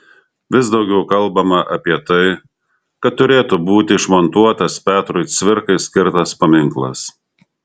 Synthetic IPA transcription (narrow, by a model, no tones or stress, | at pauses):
ʋʲɪsd̪ɒʊɡʲɛʊkɐlˠˑbɐmɐʔɐ̰pʲiɛt̪ɐɪ | kɐt̪ːʊɾʲeːt̪ubuːt̪ʲɪʃmɔnt̪uɔt̪ɐspʲæːt̪ɾʊɪt̪sʲʋʲɪɾkɐɪsʲkʲɪɾt̪ɐspɐmʲɪŋklˠɐ̰s